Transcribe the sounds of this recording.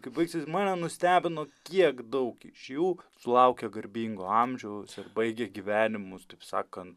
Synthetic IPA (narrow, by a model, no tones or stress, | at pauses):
kɐɪpbɐɪksʲesʲmɑːnʲɛnʊsʲt̪ʲæːbʲɪnoːkʲiɛkd̪ɐʊkɪʃʲjuːsʊlˠɐʊkʲɛɡɐɾʲbʲiːŋɡoɑmʲʒʲɛʊsɪrbɐɪɡʲeɡʲiʋʲæːnʲɪmʊst̪ɐɪpsɑ̰ːkɐnt̪